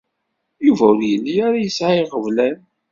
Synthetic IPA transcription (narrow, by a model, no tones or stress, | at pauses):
juvæʊɾjəlːiaɾajəsʕaiʁəvlæn